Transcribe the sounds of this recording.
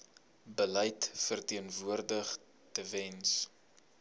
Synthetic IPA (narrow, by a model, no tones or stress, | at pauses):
bəlɛjtfərtiənvuərdəχ | təvɛns